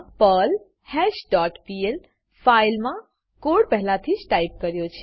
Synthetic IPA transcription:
pəl | hɛʃɖɔʈpiel | failmã | koɽpəɦlat̪ʰid͡ʒʈaip̚kəɾjot͡ʃʰe

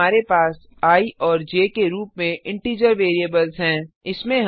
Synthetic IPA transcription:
aːɾepaːs | aːiʔɔːɾd͡ʒeːkeɾuːpmẽʔɪ̃ɳʈiːd͡ʒəɾʋeːɾiəbəlzɦɛ̃ːɪsmẽɦ

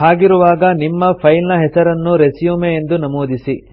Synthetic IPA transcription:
haːɡiɾuʋaːɡɐnimːɐpʰɐjlnɐɦɛsɐɾɐnːuɾesijuːmeːnd̪unɐmoːd̪isi

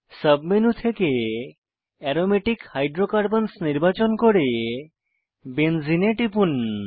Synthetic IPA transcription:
səbmenut̪ʰeke | ɛɾomeʈikhajɖɾokaɾbənsniɾbat͡ɕonkoɾe | benzineʈipun

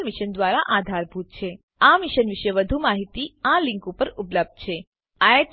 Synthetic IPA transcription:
lmiʃənd̪ʋaɾaʔad̪ʱaɾbʱut̪̚t͡ʃʰe | amiʃənʋiʃjəʋəd̪ʱumaɦit̪iãlɪ̃ŋkupəɾupləb̚d̪̥̚t͡ʃʰe | aeʈ

